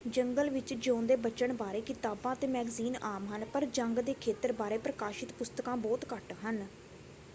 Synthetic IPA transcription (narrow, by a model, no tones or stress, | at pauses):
d͡ʒəŋɡəlʋɪt͡ʃd͡ʒõːnd̪eːbət͡ʃəɳbaːɾeːkɪt̪aːbãːət̪eːmɛːɡziːnaːmɦənpəɾd͡ʒəŋɡd̪eːkʰeːt̪əɾbaːɾeːpɾəkaːʃɪt̪pʊst̪əkãːbɔːt̪kəʈɦən